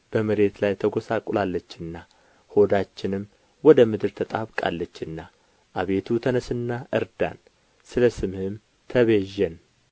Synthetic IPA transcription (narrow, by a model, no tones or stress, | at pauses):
b̥əməɾe̞t̪lajt̪ʰəɡo̞sakʼlalːət͡ʃːɨnːa | ho̞d̪at͡ʃːɪnɨmː | wɔd̪əmɨd̪ɨɾt̪ʰət̪ʼaβkʼa̰lːət͡ʃːɨnːa | ʔaβe̞t̪ʰut̪ʰənəsɨnːaʔɨɾd̪a̰n | sɨləsɨmhɨm | t̪ʰəβeʒːən